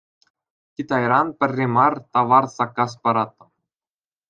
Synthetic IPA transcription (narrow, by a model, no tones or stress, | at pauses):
kʲit̪ɑjɾɑnpʲɘ̆rʲːemɑrt̪ɑʋɑrsɑkːɑs̬pɑɾɑt̪̚ːɤ̆